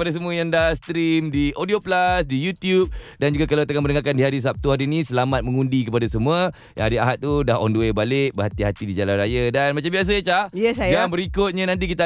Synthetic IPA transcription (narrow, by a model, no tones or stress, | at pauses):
padas̬əmuajaŋdahst̪ɾimdiʔodioplasdijut̪jup̚dand͡ʒuɡakalawt̪əŋaŋmənəŋakandiɦaɾis̬ap̚t̪uɦaɾinĩsəlamat̪̚mə̃ŋũndikəpadasəmuə | jaŋaɾiaɦat̪̚ːudahɔ̰nduebalɪk̚bəɦat̪iɦat̪idid͡ʒalanrajadanmat͡ʃambias̬aat͡ʃajəsajɡabəɾikʊt̪̚ɲanãnt̪̬ikit̪a